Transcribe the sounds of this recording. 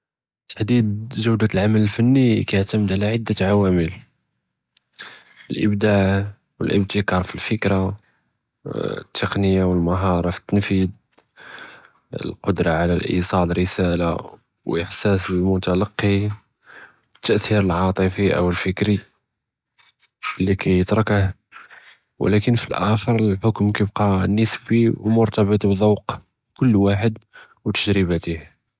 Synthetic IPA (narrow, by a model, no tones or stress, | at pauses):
t̪ːḁħd̪id̪ʒəwd̪alʕamələlfənːikæjəʕt̪əməd̪ʕalæʕəd̪ːəʕawæməl | əlʔəbd̪aʕ | wə̰lʔə̰b̚t̪əkɑɾˤfilfəkɾa | ə̰t̪ʰːəqnəjawəlməɦɑɾˤɑfi̥t̪ːənfid̪̚ | ə̰lqod̪ɾˤɑʕalælʔḭsˤɑd̪əɾəsæla | wʔəħsæsəlmʊt̪alɑqːi | t̪ːəʔθiɾəlʕɑt̪ˤəfiʔə̰wəlfəkɾi | əlːikæjət̪ɾˤɑkəh | w̰lækənfilʔæ̰xəɾˤəlħʊkmkæjbqɑnːəsbiwmʊɾt̪ɑbət̪ˤbðˤɑwq | kʊlːwaħəd̪ | wt̪əʒɾəbæt̪ih